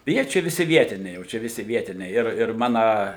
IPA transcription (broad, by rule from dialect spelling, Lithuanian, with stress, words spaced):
ˈjiɛ ˈt͡ʃʲɛ ʋʲɪˈsʲɪ ˈʋʲiɛtʲɪnʲɛɪ ˈjɛʊ t͡ʃʲɛ ʋʲɪˈsʲɪ ˈʋʲiɛtʲɪnʲɛɪ ɪr ɪr ˈmɑːnɐ